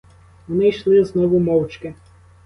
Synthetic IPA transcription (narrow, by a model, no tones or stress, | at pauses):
ʋɔnɪjʃlˠɪznɔʋʊmɔwt͡ʃkɪ